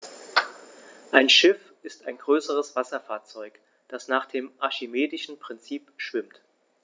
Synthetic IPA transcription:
ʔaɪnʃɪf | ɪstaɪnɡʁøːsəʁ̞əsv̥asɐfaːɐt͡sɔʏk | d̥asnaːχd̥eːmʔaʃimeːdɪʃn̩pʁ̥ɪnt͡siːpʃv̥ɪmt

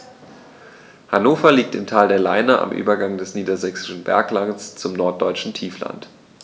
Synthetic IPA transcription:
hanoːfɐliːk̚tɪmtʰaːldeːɐlaɪnɐʔa̰mʔy̰ːbɐɡaŋdɛsniːdɐzɛksɪ̥ʃn̩bɛɐklaŋst͡sʊmnɔɐt̚d̥ɔʏt͡ʃn̩tʰiːfla̰nt

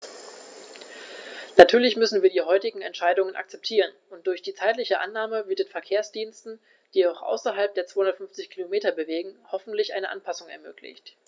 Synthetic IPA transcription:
natʰyːɐlɪçmʏsn̩viːɐdiːɦɔʏtɪɡŋ̩ɛ̰ntʃaɪdʊŋənʔa̰k̚t͡sɛp̚tʰiːʁ̞ənʔʊnt̚d̥ʊɐçd̥iːt͡saɪtlɪçəʔa̰nːaːməvɪɐtdeːnfɛɐkʰeːɐsd̥iːnstn̩ | d̥iːaʊxʔa̰ʊsɐɦalp̚d̥eːɐt͡sv̥aːhʊndɐtfʏnft͡sɪçkʰilomeːtɐbəveːɡŋ̩hɔfn̩tlɪçʔaɪnəʔanpʰasʊŋɛ̰ɐmøːkʰlɪ̰çt

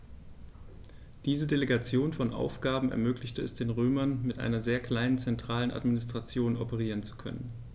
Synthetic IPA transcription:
d̥iːzədeleɡat͡sjoːnfɔnʔa̰ʊfɡ̥aːbm̩ɛ̰ɐmøːklɪçtəɛsd̥eːnʁøːmɐnmɪtʔa̰ɪnɐzeːɐkl̥aɪnənt͡sɛntʁ̥aːlənʔa̰tminɪstʁ̥at͡sjoːnɔpəʁ̞iːʁ̞ənt͡su̥kʰœ̰nən

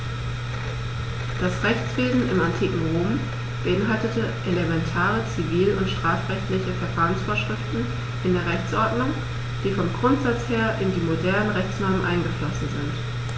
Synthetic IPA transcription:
d̥asʁɛçt͡sv̥eːzn̩ʔɪmantʰiːkŋ̩ʁoːm | b̥əʔɪnɦaltətəʔelemɛntʰaːʁət͡siviːlʊntʃtʁ̥aːfʁ̥ɛçtlɪçəfɛɐfaːʁənsfoːɐʃʁ̥ɪftn̩ | ʔɪndeːɐʁɛçt͡sʔɔɐdnʊŋ | d̥iːfɔmɡʁʊntz̥at͡sheːɐʔɪndiːmodɛɐnənʁɛçt͡snɔɐmənʔa̰ɪnɡəflɔsn̩zɪnt

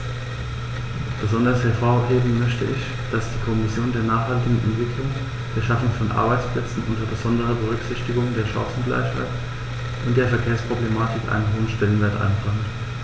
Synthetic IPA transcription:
b̥əzɔndɐshɛɐfoːɐheːbm̩mœçtəɪç | d̥asd̥iːkʰɔmɪsjoːndeːɐnaːχhaltɪɡŋ̩ʔɛ̰ntv̥ɪklʊŋ | d̥eːɐʃafʊŋfɔnʔa̰ɐbaɪt͡spl̥ɛt͡sn̩ʔʊntɐbəzɔndəʁ̞əbəʁ̞ʏkz̥ɪçtɪɡʊŋdeːɐʃɔ̰ŋsn̩ɡla̰ɪçha̰ɪt | ʔʊnt̚d̥eːɐfɛɐkʰeːɐspʁ̥oblemaːtɪkʔa̰ɪnənɦoːənʃtɛlənveːɐtʔa̰ɪnbʁaŋt

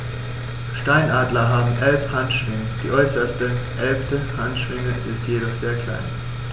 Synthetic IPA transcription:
ʃtaɪnʔaːdlɐɦaːbm̩ʔɛlfhantʃv̥ɪŋəd̥iːʔɔʏsɐstəʔɛlftəhantʃv̥ɪŋəʔɪstjeɾɔχz̥eːɐkʰl̥a̰ɪn

